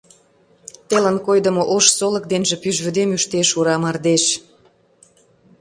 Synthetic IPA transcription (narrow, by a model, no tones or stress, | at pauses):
t̪elə̆nkojd̪ə̆moʔoʃsolə̆k̚d̪enʒĕpyʒβød̪emyʃt̪eʃuɾɑmɑrd̪eʃ